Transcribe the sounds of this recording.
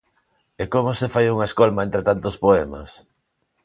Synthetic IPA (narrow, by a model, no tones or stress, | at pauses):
ekomʊsefajuŋɐeskolmaẽnt̪ɾet̪ant̪ospoɛmɐ̰s